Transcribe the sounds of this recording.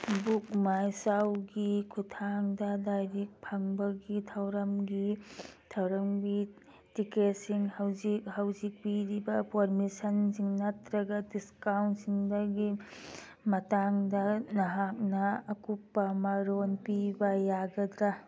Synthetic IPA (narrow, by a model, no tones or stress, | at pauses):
buk̚majsawɡikʰutʰaŋdɐdajɾik̚pʰaŋbɐɡitʰawɾɐmɡitʰawɾɐmɡi | tiket̚siŋhawzik̚hawzik̚piɾibɐpʰoɾmisɐnziŋnɐtɾɐɡɐdiskawntsiŋdɐɡi | mɐtaŋdɐnɐɦak̚nɐːkupːɐmaɾonpibɐjaɡɐdɾa